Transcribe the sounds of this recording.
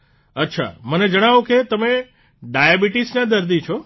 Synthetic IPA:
ətːʃʰa̰məned͡ʒəɽ̃aʋõket̪əme | ɖajabiʈisnad̪əɾd̪it͡ʃʰo

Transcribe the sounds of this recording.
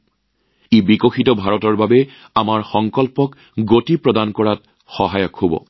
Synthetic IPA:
ebikoxitɔbʱaɹɔtɔɹbabɛ | amaɹxɔŋkɔlpɔk | ɡotipɹɔdankɔɹat | xɔɦajɔkhobɔ̰

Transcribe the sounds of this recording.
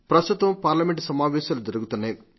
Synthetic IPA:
pɾɐst̪ut̪ɐmpaːɾlɐmeɳʈsɐmaːʋɛːʃaːlud͡ʒɐɾuɡut̪unːaj

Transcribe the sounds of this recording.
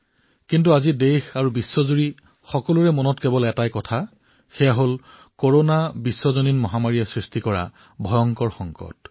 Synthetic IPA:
kintuazidexaɹubisːɔzuɹi | xɔkɔluɹɛmɔnɔtkebɔlɛtajkɔtʰa | xɛjaɦol | koɹonabisːɔzoninmɔɦamaɹijɛsɹistikɔɹa̰ | bʱɔjɔŋkɔɹxɔŋkɔ̰t

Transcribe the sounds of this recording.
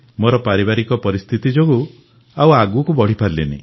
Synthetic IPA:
moɾɔpaɾibaɾikɔpɔɾist̪ʰit̪id͡ʒoɡu | awaɡuɔkubɔɽ̤ipaɾlenḭ

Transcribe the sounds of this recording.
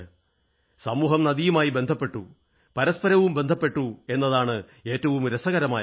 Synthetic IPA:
sɐmuːɦɐmnɐd̪ijumaːjibe̞nd̪ʱɐpːe̞ʈːu | pɐɾɐspɐɾɐʋumbe̞nd̪ʱɐpːe̞ʈːue̞nːɐðaːɳɨ | e̞ːtːɐʋumɾɐsɐɣɐɾɐmaː

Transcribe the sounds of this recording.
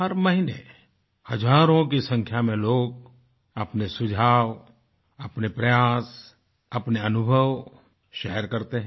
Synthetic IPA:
əɾmɐɦine | hɐd͡ʒaːɾõk̬isə̃ŋkʰjamẽloːɡ̚ | ɐpnesʊd͡ʒʱaːʋ | ɐpnepɾɐjaːs | ɐpneɐnʊbʱəʋ | ʃɛːɾkɐɾt̪eɦɛ̃

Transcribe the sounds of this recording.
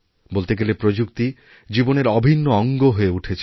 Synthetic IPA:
bolt̪eɡelepɾod͡ʑukt̪i | d͡ʑiboneɾɔbʱinːoɔŋɡoɦoeuʈʰet͡ɕʰ

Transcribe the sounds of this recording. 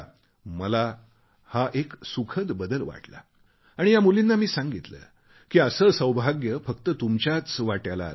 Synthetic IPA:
məla | haʔeksukʰəd̪bəd̪əlʋa̰ʈla̰ | aɽ̃ijamulinːamiːsãŋɡit̪lə̰ː | kiːəsəsəwbʱaɡjəfəkt̪ət̪umt͡ɕjat͡sʋaʈjala̰

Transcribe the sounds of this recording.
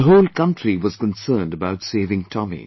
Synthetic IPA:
əɦoʊlˠkʌ̃ntɹiwʌz̥kə̃nsɜːndəbaʊtseɪvɪ̃ŋtʰɔmḭ̃

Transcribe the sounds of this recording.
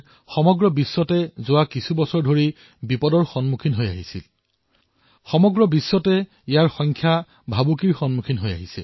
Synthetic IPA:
xɔmɔɡɹɔbisːɔtɛzʊwakisʰubɔsɔɹdʱoɹi | bipɔdɔɹxɔnmukʰinɦoja̰ɦisil | xɔmɔɡɹɔbisːɔtɛ | ijaɹxɔŋkʰja | bʱabukiɹxɔnmukʰinɦoja̰ɦisɛ̰

